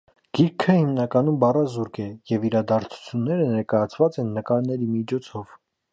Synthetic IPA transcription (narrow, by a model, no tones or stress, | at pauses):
ɡ̥iɾkʰəhimnɑkɑnumbɑrɑzuɾkɛjɛviɾɑd̪ɑɾt͡sʰu̥t͡sʰjunːɛɾənɛɾkɑjɑt͡sʰvɑt͡sɛnːəkɑɾnɛɾimit͡ʃʰɔt͡sʰɔv̥